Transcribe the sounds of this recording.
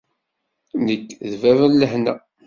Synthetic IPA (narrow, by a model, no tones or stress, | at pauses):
nəkːðvævəlːəhnæ